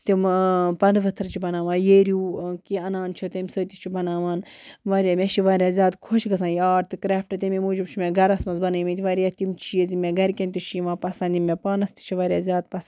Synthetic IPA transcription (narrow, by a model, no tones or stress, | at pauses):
t̪impɐnd̪ʋɐt̪ʰɾt͡ʃʰibɐnaːʋãːnjeːɾjuːkiɐnaːnt͡ʃʰot̪emʲsəːt̪it͡ʃʰibɐnaːʋaːnʋaːɾʲjaːmʲeʃiʋaːɾʲjaːzʲjaːd̪kʰoʃɡɐs̬ãːjaːɖt̪ɨkɾɛːfʈɐt̪imemuːd͡ʒibt͡ʃʰimeɡɐɾɐsmɐnzbɐnɨjmĩt̪iʋaɾijaːt̪imt͡ʃijɐzimʲeɡɐɾkʲenʲt̪iʃʰiʋãːpɐsɐ̃nd̪ʲimʲːepaːnɐst̪i̥t͡ʃʰiʋaːɾʲjaːzʲjaːd̪̚pɐs